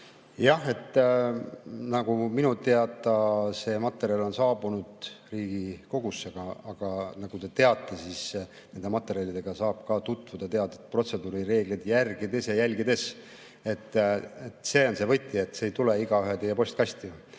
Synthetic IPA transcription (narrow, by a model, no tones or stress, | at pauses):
jɑhe̞t̪ː | nɑɡ̥uminut̪eɑt̪ːˑɑse̞ːmɑt̪ːˑe̞ɾjɑlo̞nsɑːbunud̪̥riːɡ̥iko̞ɡ̥usːeɡ̥ɑɑɡ̥ɑnɑɡ̥ut̪e̞t̪e̞ɑt̪ˑːesis | ne̞nd̪e̞mɑt̪ːˑe̞ɾʲiɑlid̪̥e̞ɡ̥ɑsɑːb̥kɑt̪ut̪ːˑvud̪̥ɑt̪e̞ɑd̪̥ɑet̪̚pro̞t̪se̞d̪uːɾiɾe̞ːɡlid̪̥jærɡid̪e̞sjɑjælʲɡid̪e̞s | e̞t̪ːet̪ːse̞ːo̞nse̞vɤjt̪ʲːˑiet̪ːˑsejt̪uleiɡɑyɦet̪ejːepo̞sʲt̪̚kɑst̪i